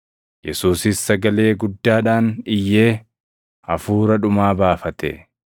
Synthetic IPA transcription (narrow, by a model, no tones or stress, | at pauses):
jɛsuːsɪsːɐɡɐle̞ːɡʊd̪ːaːᶑaːnɪjːe̞ː | ɐfuːɾɐᶑʊmaːbaːfɐt̪ɛ̰